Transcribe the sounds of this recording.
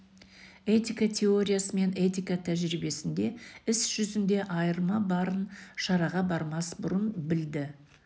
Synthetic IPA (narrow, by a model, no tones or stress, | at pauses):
e̞t̪ʲikat̪ʲʰe̞o̞ɾʲijasəme̞ne̞t̪ijkat̪ʰæʒɾibe̞sɪnd̪e̞ɪsʒ̥ʏzɪnd̪e̞ʔɑjəɾmɑbɑɾənʃɑɾɑʁɑbɑɾmɑsbʊɾənbɪld̪ɪ